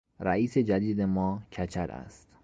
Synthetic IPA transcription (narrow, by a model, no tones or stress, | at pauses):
ɾæ̰iːsed͡ʒæd̪iːd̪emɒːcʰæt͡ʃʰæɾæ̰st̪